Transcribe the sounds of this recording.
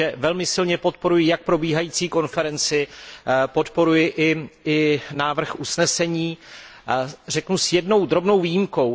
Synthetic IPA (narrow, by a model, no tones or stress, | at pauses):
ɛvɛlmɪsɪlɲɛpo̞t̪̚po̞ɾujɪjak̚pɾo̞biːɦajiːt͡siːko̞nfɛɾɛnt͡sɪpo̞t̪po̞ɾujɪʔɪɪnaːvr̩xʔusnɛsɛɲiː | r̝ɛknusjɛdno̞wd̪ɾo̞bno̞wviːjimko̞w